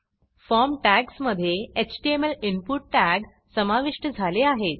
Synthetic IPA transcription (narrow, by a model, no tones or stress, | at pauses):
fɔɾmʈæksməd̪ʱːjeet͡ɕʈiemelinpuʈːæks | səmaʋiʂʈəd͡zʱaleaɦet̪̚